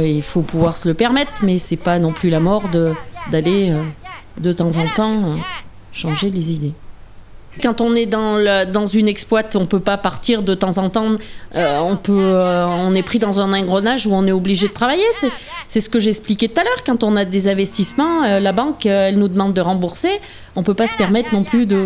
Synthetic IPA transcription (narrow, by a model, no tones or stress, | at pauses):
ilfopuvwaʁsələpɛʁmɛt̪χmɛsɛpanɔ̃plylamɔʁd̪əd̪aleø | d̪ət̪ɑ̃zɑ̃t̪ɑ̃ø | ʃɑ̃ʒelezid̪e | kɑ̃t̪ɔ̃nɛd̪ɑ̃lød̪ɑ̃zynɛksplwat̪ɔ̃pøpapaʁt̪iʁd̪ət̪ɑ̃zɑ̃t̪ɑ̃øɔ̃pøøɔ̃nɛpχid̪ɑ̃zɛ̃nɑ̃ɡʁɔnaʒuɔ̃nɛobliʒed̪ət̪χavajesɛsɛsə̥kəʒeɛksplikʲet̪ut̪alœʁkɑ̃t̪ɔ̃nad̪ezɛ̃vɛst̪ismɑ̃ølabɑ̃køɛlnud̪əmɑ̃d̪ːəʁɑ̃buʁse | ɔ̃pøpasə̥pɛʁmɛt̪χnɔ̃plyd̪ə